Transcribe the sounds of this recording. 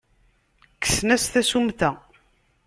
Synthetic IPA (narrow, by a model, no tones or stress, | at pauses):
kːə̥snæsθæsumθæ